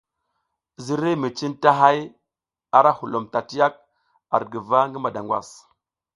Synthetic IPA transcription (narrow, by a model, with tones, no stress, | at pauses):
zi˦ɾe˦mi˨t͡ʃi˦nta˦ɦa˦j | a˦ɾa˦hu˨lo˨mta˨ti˦ja˦k̚ | a̰˨ɾɡə˨va˦ŋɡə˦ma˨da˨ŋɡwa̰˨s